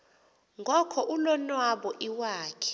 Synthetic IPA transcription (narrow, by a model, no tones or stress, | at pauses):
ŋɡʱɔkʰɔʔulɔnwaɓɔʔiwaːkʰɛ̥